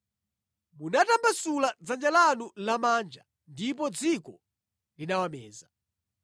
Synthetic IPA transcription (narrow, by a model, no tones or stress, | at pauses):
munatambasulad͡zand͡ʒalanulamaːnd͡ʒa | ndipɔd͡zikɔ | linawamɛːza